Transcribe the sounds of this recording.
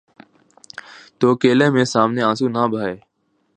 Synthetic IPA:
t̪oːəkeːlẽːmẽːsaːmneːaːsũːnaːbʱaːeː

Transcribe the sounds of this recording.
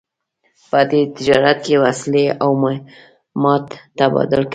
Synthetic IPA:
pəd̪et̪ɪd͡ʒɑɾat̪̚kewasleʔawm | mɑt̪ːabɑ̰d̪ʊlk

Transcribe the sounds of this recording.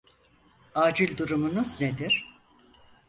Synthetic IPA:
aːd͡ʒilʲd̪uɾumunuzned̪iɾ̥

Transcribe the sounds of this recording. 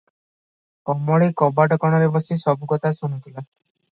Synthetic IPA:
kɔmɔɭikɔbaʈɔkɔɽ̃ɔɾebɔsisɔbukɔt̪ʰasunut̪ʰila

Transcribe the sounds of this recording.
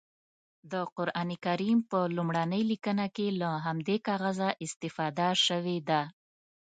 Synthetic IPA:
d̪əqʊɾʔɑnikaɾimpəlumɽanəjlikənakelaɦamd̪ekɑɣazaʔɪst̪ɪfɑd̪aʃəwed̪a

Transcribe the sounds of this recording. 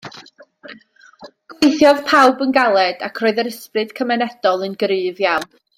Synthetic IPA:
ɡ̥wejθjɔð̥pʰawbənɡalˠɛd̥a̰kʰroːɨðəɾəsprɨd̥kʰəmɛnɛd̥ɔlˠənɡɾɨːvjan

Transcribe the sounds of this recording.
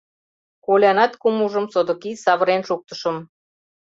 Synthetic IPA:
kolʲɑnɑt̪kumuʒə̆msod̪ŏkisɑβəɾenʃuk̚t̪ə̥ʃə̆m

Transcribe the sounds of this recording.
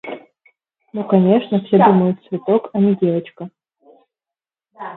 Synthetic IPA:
nukɐnʲe̞ʂnəfsʲed̪uməjʊt̪̚svʲɪt̪okɐnʲɪdʲe̞vət͡ɕkə

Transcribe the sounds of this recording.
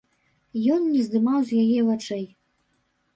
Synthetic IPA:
jɔnnʲɛzd̪ɨmawzjajɛvat͡ʂɛj

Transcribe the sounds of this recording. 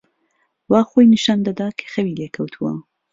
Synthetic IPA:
waːxojnɨʃaːnd̪ɐd̪akʰɐ̥xɐwilekʰɐwt̪ʰuwɐ̰

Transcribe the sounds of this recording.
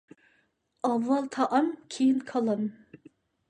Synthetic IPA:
ɑvːɑlˠt̪ʰɑʔɑmkʲʰejinkʰɑlˠɑm

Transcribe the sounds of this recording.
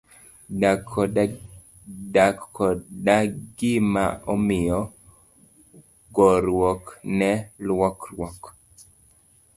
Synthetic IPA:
dakɔdaɡɪmaɔmɪjɔ | ɡɔɾwɔknɛlwɔklwɔk

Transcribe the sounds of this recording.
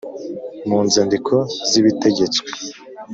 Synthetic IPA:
muːnzendikʰo̞ziβite̞ɟe̞t͡swwe̥

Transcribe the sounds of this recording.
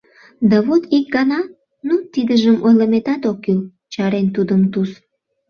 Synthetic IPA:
d̪ɑβot̪ik̚ɡɑnɑ | nut̪id̪əʒəmʔojləmet̪ɑt̪okːyl | t͡ɕɑɾent̪ud̪əmt̪us

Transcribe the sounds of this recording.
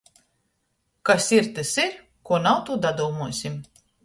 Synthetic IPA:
kasiɾt̪ɨsiɾ | kuɔnawt̪ud̪ad̪uːmuɔsʲim

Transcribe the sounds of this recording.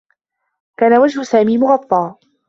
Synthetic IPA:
kaːnawad͡ʒhʊsaːmiːmʊɣɑt̪ˤːɑː

